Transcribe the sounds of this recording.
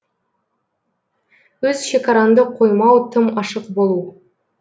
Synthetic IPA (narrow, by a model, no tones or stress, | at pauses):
wɵzʃe̞kɑɾɑnd̪əqʰo̞jmɑwt̪ʰəmɑʃəqbo̞lˠu